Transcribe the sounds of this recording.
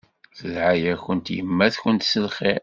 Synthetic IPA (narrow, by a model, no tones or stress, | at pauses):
θəlʕajæçənt̪jəmːæθçənt̪səlχi